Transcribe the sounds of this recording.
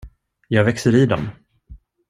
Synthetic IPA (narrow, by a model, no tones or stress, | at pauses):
jɑːɡvɛksəɾiːd̪ɔm